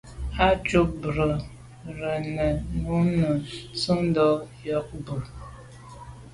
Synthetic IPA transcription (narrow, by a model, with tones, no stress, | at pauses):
a˦t͡ʃu˦bɾə˨ | ɾə˨nə˨nu˨˦nə˨t͡sə˦ŋ˦dɔ˨˦jɔ˦k̚bə˨